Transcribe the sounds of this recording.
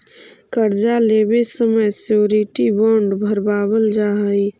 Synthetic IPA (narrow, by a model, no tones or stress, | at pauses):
kəɾd͡ʒalebesəməjsoɾiʈibɔɳɖbʱəɾbaːbəld͡ʒaɦəi